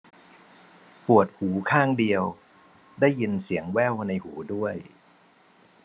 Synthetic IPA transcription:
pu˨˩ət̪̚huː˩˦kʰaː˥˩ŋdi˧əw | daː˥˩jːi˧nsi˩˦əŋwɛ˥˩wna˧jhuː˩˦du˥˩əj

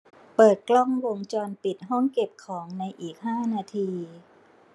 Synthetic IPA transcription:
pɤː˨˩t̪̚klɔ˥˩ŋwo˧ŋt͡ɕɔː˧npi˨˩t̪̚ɦɔ˥˩ŋke˨˩p̚kʰɔː˩˦ŋna˧jʔiː˨˩k̚ɦaː˥˩naː˧t̪ʰiː˧

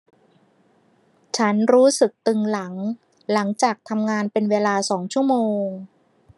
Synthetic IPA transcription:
t͡ɕʰa˦˥nɾuː˦˥sɯ˨˩k̚t̪ɯ˧ŋla˩˦ŋ | la˩˦ŋt͡ɕaː˨˩k̚t̪ʰa˧mŋaː˧npe˧nweː˧laː˧sɔː˩˦ŋt͡ɕʰu˥˩˨moː˧ŋ

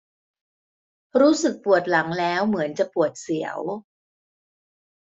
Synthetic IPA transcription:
ɾuː˦˥sɯ˨˩k̚pu˨˩ət̪̚la˩˦ŋlɛː˦˥wmɯ˩˦ənt͡ɕa˨˩pu˨˩ət̪̚si˩˦ə̰w

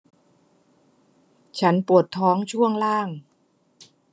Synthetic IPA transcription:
t͡ɕʰa˦˥npu˨˩ət̪ʰːɔː˦˥ŋt͡ɕʰu˥˩əŋlaː˥˩ŋ

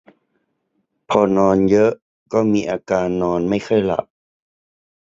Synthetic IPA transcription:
pʰɔː˧nɔː˧njɤ˦˥ʔ | kɔː˥˩miː˧ʔaː˧kaː˧nːɔː˧nma˥˩jxʰɤ˥˩jla̰˨˦p̚

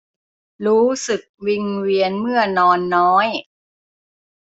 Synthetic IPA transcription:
ɾuː˦˥sɯ˨˩k̚wi˧ŋwi˧ənmɯ˥˩ənɔː˧nːɔː˦˥j

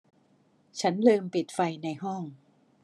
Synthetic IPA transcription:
t͡ɕʰa˦˥nlɤː˧mpi˨˩t̪̚fa˧jna˧jɦɔ˥˩ŋ

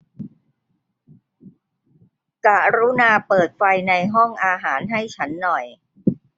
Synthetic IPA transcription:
ka˨˩ɾuː˦˥naː˧pɤː˨˩t̪̚fa˧jna˧jɦɔ˥˩ŋʔaː˧ɦaː˩˦nɦa˥˩jt͡ɕʰa˦˥nːɔ˨˩j

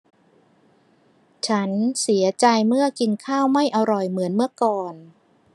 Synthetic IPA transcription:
t͡ɕʰa˦˥nsi˨˩˦ɐt͡ɕa˧jmɯ˥˩ɐki˧nkʰaː˥˩wma˥˩jʔa˧ɾɔ˨˩jmɯ˩˦ənmɯ˥˩ɐəkɔː˨˩n

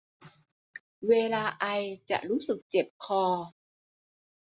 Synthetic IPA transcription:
weː˧laː˧ʔa˧jt͡ɕa̰˨˩ʔɾuː˦˥sɯ˨˩k̚t͡ɕe˨˩p̚kʰɔː˧

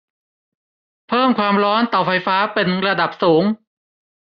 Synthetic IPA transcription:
pʰɤː˥˩mkʰwaː˧mɾɔː˦˥nt̪ɔː˨˩fa˧jfaː˦˥pe˧nɾa˧da˨˩p̚suː˩˦ŋ

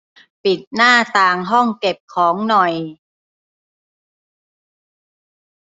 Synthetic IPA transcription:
pi˨˩t̪̚naː˥˩t̪aː˧ŋɦɔ˥˩ŋke˨˩p̚kʰɔː˩˦ŋnɔ˨˩j

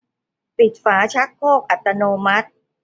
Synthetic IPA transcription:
pi˨˩t̪̚faː˩˦t͡ɕʰa˦˥k̚pʰoː˥˩k̚ʔa˨˩t̪ːa˧noː˧ma˦˥t̪̚

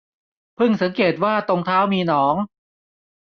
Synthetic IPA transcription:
pʰɯ˥˩ŋsa˩˦ŋkeː˨˩t̪̚waː˥˩t̪o˧ŋt̪ʰaː˦˥wmiː˧nɔː˩˦ŋ

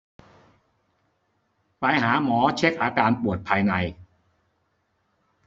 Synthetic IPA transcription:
pa˧jɦaː˩˦mɔː˩˦t͡ɕʰe˦˥k̚ʔaː˧kaː˧npu˨˩ət̪̚pʰaː˧jna˧j

